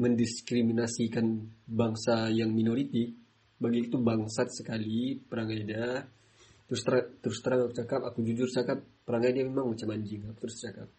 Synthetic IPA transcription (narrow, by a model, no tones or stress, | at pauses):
məndiskɾiminasikanbaŋsajaŋminoɾit̪i | baɡiːt̪ubaŋsat̪̚səkalipəɾaŋajda | t̪əɾʊst̪əɾat̪əɾʊst̪əɾaŋakut͡ʃakapakud͡ʒud͡ʒʊrt͡ʃakap̚ːəɾaŋajdamemaŋmat͡ʃamaɲd͡ʒɪŋaku̥t̪əɾʊst͡ʃakap̚